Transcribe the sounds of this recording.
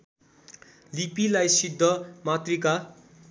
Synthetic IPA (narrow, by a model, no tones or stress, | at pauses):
lipilajsid̪ʱːʌmat̪rika